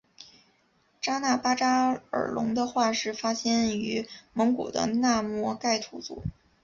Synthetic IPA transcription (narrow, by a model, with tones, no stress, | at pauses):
ʈ͡ʂa˥na˥˩pa˥ʈ͡ʂa˥ə̰˞˨˩lʊ̰˧˥ŋd̪ə˧xwa˥˧ʂɻ̩˥˩fa˥ɕjɛ˥ny˧˥mɤ˧˥ŋkṵ˨˩d̪ə̰˦na˥˧mwɔ˥˧ka˥˩ɪt̪ʰu˧˥t͡sṵ˨˩˦